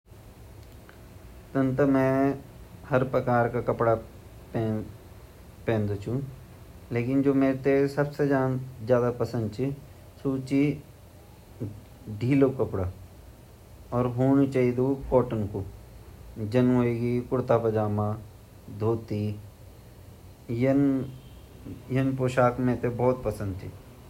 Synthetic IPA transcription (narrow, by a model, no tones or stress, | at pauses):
t̪ə̃nt̪əmɛ̃ | həɾpɾɐkaːɾkakɐpɽa | pː | pẽːnd̪ot͡ʃʰũ | leːkɪnd͡ʒoːmeːɾt̪esɐbsed͡ʒad͡ʒjaːd̪apɐsə̃nd̪t͡ʃʰi | suːt͡ʃi | ɖʱiːlokɐpɽaː | ɔːɾɦoːnit͡ʃaːid̪okɔːʈənko | d͡ʒɐnɦoːeːɡikʊɽt̪apɐd͡ʒaːmãː | d̪ʱoːt̪i | jən | jənpoːʃaːkmẽt̪ebɔːt̪̚pɐsə̃nd̪̚t͡ʃʰi